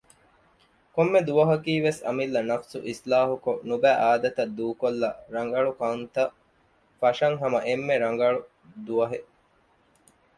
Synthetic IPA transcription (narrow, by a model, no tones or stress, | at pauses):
komːed̪uʋɐɦɐkiːʋesɐ̰milːɐnɐfsuʔislaːɦukonubæːʔaːd̪ɐt̪ɐd̪ːuːkolːɐɾɐŋɡɐɭukɐunt̪ɐ | fɐʃɐŋɦɐmɐʔemːeɾɐŋɡɐɭu | d̪uʋɐɦeʔ